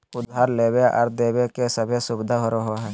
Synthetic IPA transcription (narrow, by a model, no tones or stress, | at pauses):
ʊd̪ʱːaːɾleːbeʔə̰ɾd̪eːbekesəbʱesʊbɪd̪ʱaɦoɾoɦoɦɛ̃ː